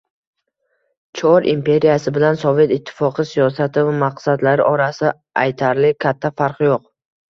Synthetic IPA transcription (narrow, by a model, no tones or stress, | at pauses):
t͡ʃʰɒɾʔimpʰe̞ɾijasɪbɪlansɒve̞t̪ɪt̪ʰːɪ̥fɒqʰɨsijɒsat̪ʰɪvamaqsad̪laɾɪʔɒɾasɪ | ajt̪ʰaɾlɪkʲʰat̪ʰːafaɾqjoq̚